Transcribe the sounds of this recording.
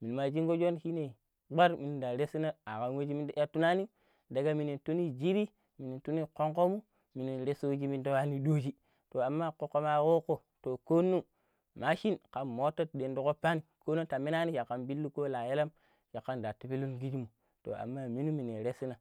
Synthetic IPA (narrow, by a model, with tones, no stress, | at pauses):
mi˨n˨ma˨d͡ʒi˦ŋɡo˦d͡ʒo˦nhi˦ne˨ | ɡ͡ba˦ɾmi˨ni˦da˨ɾe˦si˦na˦a˨ka˨nwe˦d͡ʒi˦mi˦da˦tːu˦na˦ni˦ | da˨ɡa˦mi˨ni˨ntu˦ni˦d͡ʒi˦ɾi˦ | mi˨ni˨tu˦ni˦ko˦ŋko˦mu˦ | mi˨ni˨ɾe˦so˦d͡ʒi˦mi˦n˦do˦wa˦ni˦do˦d͡ʒi˦ | to˨a˨mːa˦ko˦kːo˦ma˦wo˦ko˦˨ | to˨ko˦nːu˦ | ma˦ʃi˦nka˨mmo˦tːa˦tde˨ndu˨ko˦pːa˦ni˨ko˦no˦ta˨mi˦na˦ni˦ʃa˨kːa˦nbi˦lːu˦ko˦la˨je˦la˦m | ʃa˨kːa˦nda˨ti˨pi˦lu˦nɡi˦d͡ʒi˦mu˨ | to̰˨a̰˨mːa˦mi˦nu˦mi˨ne˨ɾe˦si˦na˨